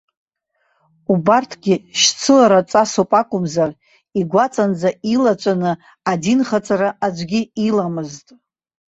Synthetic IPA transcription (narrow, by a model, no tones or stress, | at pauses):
ubartʰɡʲɪʃt͡sʰɨlaɾat͡sʼasopʼakʷʼʊmzar | iɡʷat͡sʼand͡zailat͡ʃʷʼanɨ | adinχat͡sʼaɾaʔad͡ʒʷɡʲɪilamɨztʼ